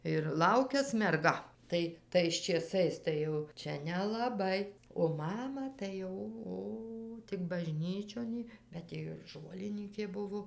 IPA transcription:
ɪr ˈlˠɐʊkʲɛs mʲɛrˈɡɐ ˈtɐɪ tɐɪs t͡ʃʲeːˈsɐɪs tɐɪ ˈjɛʊ ˈt͡ʃʲɛ nʲɛlˠɐˈbɐɪ oː ˈmɑːmɐ tɐɪ ˈoː ˈoː ˈtʲɪk bɐˈʒʲnʲiːt͡ʃʲoːn jɪ bʲɛt ˈjɪ ɪr ˈʒoːlʲɪnʲiːkʲeː ˈbʊʋoː

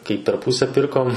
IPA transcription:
kɐɪ pʲɛr ˈpuːsʲɛ ˈpʲɪrkoːm

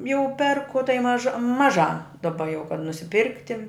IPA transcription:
jɛʊ ˈpʲɛrkʊ tɐɪ ˈmɑːʒɐ mɐˈʒɑː dɐˈbɐ jɛʊ kɐt nʊsʲɪˈpʲɪrktʲɪ

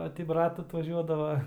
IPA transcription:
ˈoː tʲɪ ˈbrɐt ɐtʋɐˈʒʲuɔdɐʋɐ

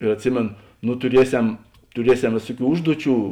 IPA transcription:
ɪr ɐtʲˈsʲɪmʲeːn nʊ tʊˈrʲiɛsʲɛm tʊˈrʲiɛsʲɛm ˈʋʲeːsʊˌkʲuː ˈʊʒduɔˌt͡ʃʲuː

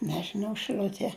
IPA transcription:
nʲɛʒʲɪˈnɐʊ ʃɨˈlʲʊtʲiɛ

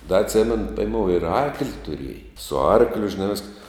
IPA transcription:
dɐ ɐtʲˈsʲæːmʲɛnʊ pʲɛɪˈmoːʊ ɪr ˈɐrklʲɪ tʊˈrʲiɛjɛ sʊ ˈɐrklʲʊ ʒʲɪˈnɐ ʋʲɪsk

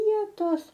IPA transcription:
ˈʋʲiɛtoːs

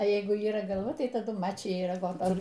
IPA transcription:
ɐ ˈjɛɪɡʊ iːˈrɐ ɡɐlˠˈʋɐ ˈtɐɪ tɐˈdʊ ˈmɑːt͡ʃʲɪjɛ ɪr ɐɡoːˈtoː

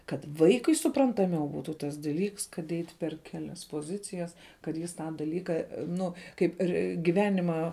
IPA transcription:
kɐt ˈʋɐɪkʊɪ sʊprɐntɐˈmʲɛʊ ˈbuːtuː tɐs dɐˈlʲiːks kɐt ˈɛɪtʲ pʲɛr ˈkʲæːlʲɛs poːˈzʲɪt͡sʲɪjɛs kɐt ˈjɪs ˈtɑː dɐˈlʲiːkɐ ˈnʊ kɐɪp ˈɪr ɡʲɪˈʋʲæːnʲɪmɑː

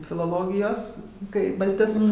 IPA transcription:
fʲɪlˠoːˈlˠoːɡʲɪjoːs ˈkɐɪ bɐlʲˈtʲɪsts

